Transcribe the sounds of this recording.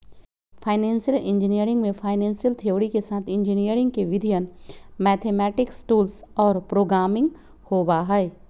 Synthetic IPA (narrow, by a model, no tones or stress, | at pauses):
fʰaːɪnɛ̃ːnsijəlɪ̃nd͡ʒɪnijəɾɪ̃ŋɡmẽfʰaːɪnɛ̃ːnsjəlt̪ʰioːɾikesaːt̪ʰɪ̃nd͡ʒinijəɾɪ̃ŋɡ̚keʋɪd̪ʱijənmɛːt̪ʰeːmɛːʈɪksʈuːlsɔːɾpɾoːɡɾaːmɪ̃ŋɡ | hoːbaɦɛe